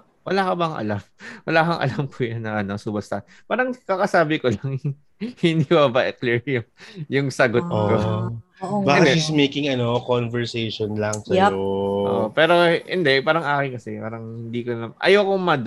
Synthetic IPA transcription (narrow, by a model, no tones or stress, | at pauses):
wɐlaːkɐbɐŋʔɐ̰lamwɐlaːkɐŋʔɐ̰lɐmpʰuːjɐnːɐʔɐno̞suːbɐst̪ɐʔn | paːɾɐŋkakɐsaːbɪkolɐŋ | hɪnd̪ibabaʔɛklɛɹjʊŋjʊŋsɐɡot̪̚ːko | baːkɐd̪ɛismejkɪŋɐnokonvɛɹsejʃonlɐŋsɐoʔo̰ʔʔopɛːɾohɪnd̪ɛpaːɾɐŋʔaːkɪnkɐsɛpa̰ːɾɐŋhɪnd̪iːkolɐmʔɐ̰joːkʊŋmɐd̪